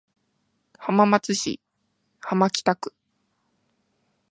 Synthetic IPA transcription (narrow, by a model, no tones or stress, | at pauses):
hamamat͡sɨɕḭ | hamakʲi̥t̪akɯ̟̥